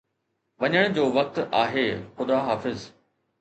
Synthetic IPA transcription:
ʋɐɲəɽ̃d͡ʑoːʋɐk̚t̪aːɦeːxʊd̪aɦaːfɪz

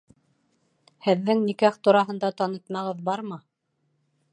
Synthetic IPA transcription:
hɘ̆ðːɘŋnikæχt̪uɾɑɦɤ̆nd̪ɑt̪ɑnɤ̆t̪mɑʁɤðbɑɾmɤ

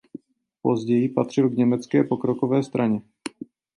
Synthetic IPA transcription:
po̞zɟɛjɪpat̪r̝̥ɪlɡɲɛmɛt͡skɛːpo̞kɾo̞kovɛːst̪ɾʔaɲɛ

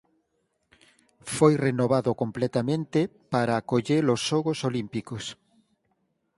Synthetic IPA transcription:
fojrenoβ̞aðokomplɛt̪amẽnt̪epaɾaːkoʎeɾosʃoɣosolimpikos

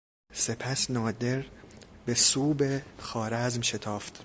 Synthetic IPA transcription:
se̞pʰæsnɒːd̪e̞ɾbesuːbexɒːɾæzmʃet̪ʰɒːft̪

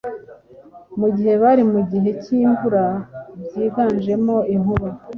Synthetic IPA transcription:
muɟihe̞βaɾimuɟiɦe̞ciːɱvuɾabɟiːɡaːnd͡ʒe̞mo̞inhuβa

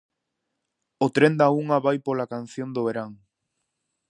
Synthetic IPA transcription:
ʊt̪ɾend̪auŋaβajpolakan̟θjond̪oβeɾaŋ

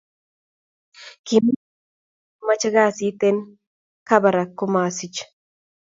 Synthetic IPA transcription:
kim | mat͡ʃaɡaːsit̪en | kabɐɾakːomaːsit͡ʃ

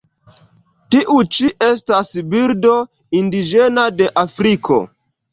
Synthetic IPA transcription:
tiʔut͡ʃiʔe̞stasbiɾdo̞ | indid͡ʒe̞nade̞ʔafɾikʰo̞̰

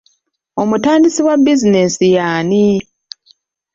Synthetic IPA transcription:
o̞mutaːndisiwabːizinesijaːni

